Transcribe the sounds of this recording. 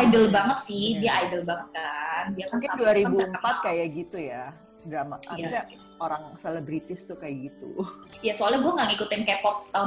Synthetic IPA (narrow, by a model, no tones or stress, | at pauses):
ajdəlbaŋət̪̚sɪhdiaajdəlbaŋət̪̚kandiakankɪaduaɾibuəmpat̪̚kajaɡit̪uja | d̪ɾamaʔaaa | oɾaŋselebɾit̪ɪst̪ʊkajaɡit̪ujasoalaɡuaŋɡaŋikut̪ɪnkepɔt̪̚t̪aʊ